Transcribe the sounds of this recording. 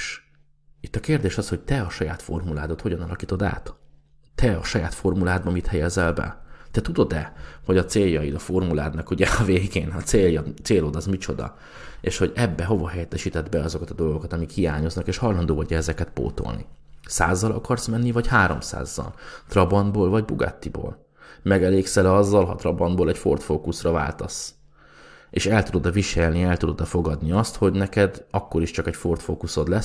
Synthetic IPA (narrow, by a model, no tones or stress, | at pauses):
ʃ | it̪ːɒkeːrd̪eːʃɒsho̞c̚t̪ɛɒʃɒjaːt̪fo̞̰rmulaːd̪o̞t̪ho̞ɟɒnɒlɒkiːt̪o̞d̪a̰ːt̪ː | ɛɒʃɒjaːt̪fo̞rmulaːd̪̚bɒmit̪hɛjɛzɛlbɛ̰t̪ɛt̪ud̪o̞d̪ɛho̞ɟɒt̪seːjɒid̪ɒfo̞rmula̰ːd̪nɒkuɟɛɒveːɡeːnɒt̪seːljɒt̪seːloːd̪ɒzmit͡ʃo̞̰d̪ɒ̰ | eːʃho̞ɟɛbːɛɦo̞vɒɦɛjɛt̪ːɛʃiːt̪ɛd̪bɛɒzo̞kɒt̪ɒd̪o̞lɡo̞kɒt̪ɒmikhijaːɲo̞znɒkeːʃhɒlɒnd̪oːɦɒɟɒɛzɛkɛt̪̚po̰ːt̪o̰lnḭsa̰ːzːɒlɒ̰kɒrsmɛnːivɒchaːɾo̞̰msa̰ːzːɒ̰lt̪rɒbɒnboːlvɒɟbuɡa̰ːt̪ːibo̰ːl | mɛɡɛleːksɛlɛɒzːɒlɦɒ̰t̪rɒbɒnd̪boːlɛcfo̞rt̪foːkusrɒva̰ːlt̪os | eːʃɛlt̪ud̪od̪ɒviʃɛlniɛlt̪ud̪od̪ɒfo̞ɡɒd̪niɒst̪ho̞ɟnɛkɛd̪ɒkːo̞ɾiʃt͡ʃɒkɛcfo̞rt̪foːkuso̞d̪lɛs